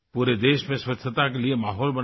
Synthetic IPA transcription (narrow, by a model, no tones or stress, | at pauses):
puːɾed̪eːʃmẽswɐt̪ʰːət̪ak̬eliemaːɦɔːlbɐ